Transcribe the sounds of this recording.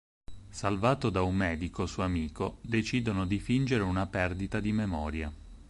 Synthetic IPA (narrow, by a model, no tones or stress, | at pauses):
salvaːt̪od̪aumːɛːd̪ikosuamiːkod̪et͡ʃiːd̪onod̪ifind͡ʒeɾeunapɛrd̪it̪ad̪imemɔːɾja